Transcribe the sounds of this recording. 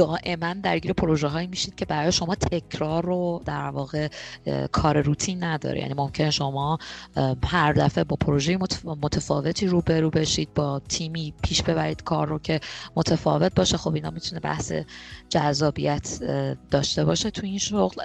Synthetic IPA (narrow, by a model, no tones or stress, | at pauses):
d̪̥ɒːʔe̞mænd̪æɾɟiːɾepʰo̞ɾo̞ʒeɦɒːiːmiːʃiːd̪̥̚cʰe̞bæɾɒːjeʃo̞mɒːt̪ʰe̞cʰɾɒːɾod̪æɾvɒːɣe̞kʰɒːɾe̞ɾut̪ʰinːæd̪ɒ̰ːɾḛjæ̰nimo̞mcʰe̞neʃo̞mɒː | hæɾd̪æfe̞bɒːpʰoɾo̞ʒejemomo̞t̪ʰefɒ̰ːve̞t̪ʰiːɾuːbe̞ɾuːbeʃiːd̪̚bɒːt̪ʰiːmiːpʰiːʃb̥e̞βæɾiːd̪̥kʰɒ̰ːɾːo̞cʰe̞mo̞t̪ʰefɒ̰ve̞t̪̚bɒːʃexo̞binhɒ̰mit̪ʰune̞bæ̰hsḛd͡ʒæzːɒːbḭjæt̪ʰd̪̥ɒːʃt̪e̞bɒ̰ːʃe̞t̪ʰuinʃoɣl